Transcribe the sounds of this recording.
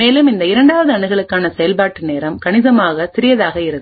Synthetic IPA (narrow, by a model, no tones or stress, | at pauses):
eːlɯmɪnd̪ɐɪɾɐɳɖaːʋɐðɯɐɳɯɣɐɭɯkːaːnɐsɛjɐlpaːʈːɯneːɾɐmkɐɳɪðɐmaːɣɐsɪɾɪjɐðaːɣɐɪɾɐð